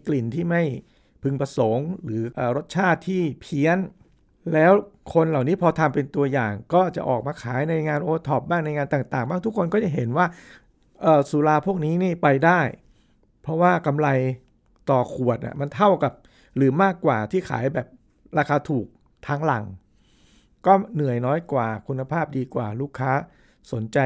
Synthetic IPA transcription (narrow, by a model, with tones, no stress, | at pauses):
kli˨˩nt̪ʰiː˥˩ma˥˩j | pʰɯ˧ŋpɾa˧so˩˦ŋɾɯː˩˦ʔɤː˨˩ɾo˦˥t̪̚t͡ɕʰaː˥˩t̪ʰːiː˥˩pʰi˦˥ən | lɛː˦˥wkʰo˧nla˨˩wniː˦˥pʰɔː˧t̪ʰa˧mpe˧nt̪u˧ɐjaː˨˩ŋkɔː˥˩t͡ɕa˨˩ʔɔː˨˩k̚maː˧kʰaː˩˦jna˧jŋaː˧nʔoː˧t̪ʰɔː˨˩p̚baː˥˩ŋna˧jŋaː˧nt̪aː˨˩ŋt̪aː˨˩ŋbaː˥˩ŋt̪ʰu˦˥kʰo˧nkɔ˥˩t͡ɕa˨˩ɦe˩˦nwaː˥˩ | ʔɤː˨˩su˨˦laː˧pʰu˥˩ək̚niː˦˥niː˥˩pa˧jdaː˥˩j | pʰɔ˦˥waː˥˩ka˧mla˧j | t̪ɔː˨˩kʰu˨˩ət̪̚ʔa̰˧˨˩ma˧nt̪ʰa˥˩wka˨˩p̚ | ɾɯː˩˦maː˥˩kːwaː˨˩t̪ʰiː˥˩kʰa̰ː˩˦jbɛː˨˩p̚ | ɾaː˧kʰaː˧t̪ʰuː˨˩k̚ | t̪ʰaː˦˥ŋla̰˨˩ŋ | kɔː˥˩nɯ˨˩əjnɔː˦˥jkwaː˨˩kʰu˧nːa˧pʰaː˥˩p̚diː˧kwaː˨˩luː˥˩kʰːaː˦˥ | so˩˦nt͡ɕa˧